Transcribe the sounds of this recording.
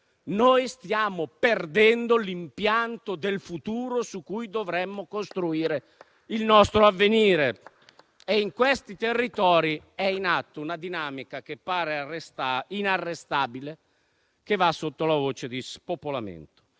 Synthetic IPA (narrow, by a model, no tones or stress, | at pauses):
noːjst̪jaːmoperd̪ɛnd̪olimpjant̪od̪elfut̪uːɾosukːujd̪ovɾɛmːokost̪ɾuiːɾe | ilnɔst̪ɾoavːeniːɾe | eiŋkwest̪it̪erːit̪ɔːɾi | ɛinat̪ːounad̪inaːmikak̟epːaːɾeest̪ainarːest̪aːbile | k̟evasːot̪ːolavoːt͡ʃed̪ispopolamḛnt̪o̥